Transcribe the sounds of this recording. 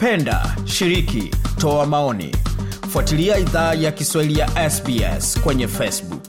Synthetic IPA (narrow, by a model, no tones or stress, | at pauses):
pɛnda̰ʃiɾikḭtɔamaɔnḭfwatiliaiðaːjakiswailijaʔɛsbiɛ̰skwɛɲɛfɛsbṵk